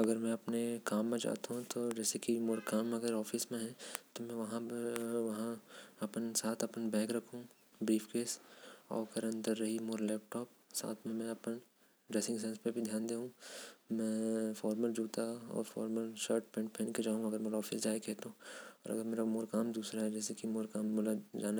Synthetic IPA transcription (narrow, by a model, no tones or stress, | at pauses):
ɐɡəɾmɛ̃ɐpnekaːmːẽd͡ʒa̰ːt̪aɦũt̪oːd͡ʒɛːsekimoːɾkaːmɐɡəɾɔːfismẽɦɛ̃t̪omɛ̃ʋɐɦãʋɐɦãɐpənsaːt̪ʰɐpənbɛ̃ːkɾɐkʰũ | bɾiːfʰkeːsɔ̰ːkɐɾɐ̃nt̪əɾːɐɦimoːɾlɛːp̚ʈɔːp̚ | sa̰ːt̪ʰmẽmɛ̃ɐpən | ɖɾɛːsɪ̃ŋɡs̬ɛ̃nspebʱid̪ʱjaːnd̪eːɦũmɛ̃fɔːɾməld͡ʒuːt̪aɔ̰ːɾfɔ̰ːɾməlʃəɾʈ̚pẽːɳʈ̚pʰẽːnked͡ʒaːɦũɐɡəɾmeːɾaɔːfisd͡ʒaːikɛːt̪aũɔːɾɐ̰ɡəɾmeːɾamoːɾkaːmd̪uːsɾaɦɛd͡ʒɛːsekimoːɾkaːmːoːlad͡ʒaːna